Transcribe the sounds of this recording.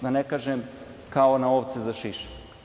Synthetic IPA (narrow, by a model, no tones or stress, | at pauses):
d̪anekaːʒem | kaonaoʋt̪sezaʃiʃe̥